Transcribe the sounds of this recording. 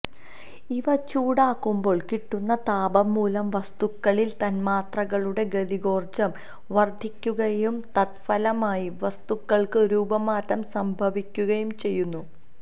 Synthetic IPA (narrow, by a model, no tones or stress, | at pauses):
iʋɐt͡ɕuːɽaːkːumbo̞ːɭkiʈːunːɐt̪aːbɐmːuːlɐmʋɐst̪ukːɐɭilt̪ɐnmaːt̪rɐɣɐɭuɽe̞ɡɐðiɡo̞ːrd͡ʑɐm | ʋɐrd̪ʱikʲːuɣɐjumt̪ɐt̪̚fɐlɐmaːjiʋɐst̪ukːɐɭkɨɾuːbɐmaːtːɐmsɐmbʱɐʋikʲːuɣɐjumt͡ɕe̞jːunːu